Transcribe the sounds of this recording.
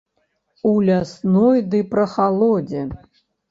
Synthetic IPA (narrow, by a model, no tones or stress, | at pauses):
ulʲasnojd̪ɨprɐχalˠodʲe